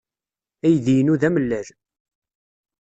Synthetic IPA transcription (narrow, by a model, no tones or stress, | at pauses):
æjðijnuðæməlːæl